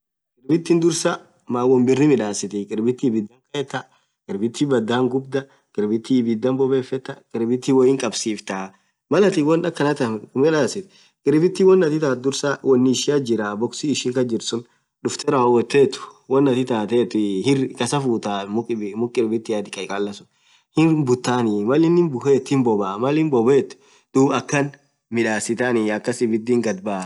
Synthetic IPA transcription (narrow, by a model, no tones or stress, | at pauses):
kʼɪɾbɪt̪ːɪnd̪ʊɾsɐ | maːwɔmbɪrːɪmɪᶑaːsɪt̪ɛkʼɪɾbɪt̪ːɪːbɪd̪ːɐŋkʼɐɛt̪ːɐ | kʼɪɾbɪt̪ːɪbɐd̪ːaːŋɡʊbd̪ɐ | kʼɪɾbɪt̪ːɪːbɪd̪ːɐmbɔbeːfɛt̪ːɐkʼɪɾbɪt̪ːɪwɔjɪŋkʼɐbsiːft̪aː | mɐlɐt̪ɪwɔnᶑɐkːɐnɐt̪ɐmɪᶑaːsɪt̪ɛ̥ | kʼɪɾbɪt̪ːɪwɔnːɐt̪ɪt̪aːd̪ʊɾsawʔɔnːɪʃɪad͡ʒɪɾabɔksiːʃiːŋkɐd͡ʒɪɾsʊn | ᶑʊft̪ɛɾɐwɐwɔt̪ːeːt̪ʊ̥wɔnːɐt̪ɪt̪aːt̪eːt̪ːʊhɪkɐsɐfuːt̪aːmʊmʊkʼɪɾbɪt̪ːɪjaːd̪ɪkʼɐkʼɐlːɐsʊ̥n | hɪnbʊt̪ːaːnɪmɐlɪnɪmbʊheːt̪ːhɪmbɔbaːmɐlɪnbɔbeːt̪ːʊ̥ | d̪̥uːbɐkːɐn | mɪᶑaːsɪt̪anɪɐkːɐsɪbɪd̪ːiːŋɡɐd̪̚baː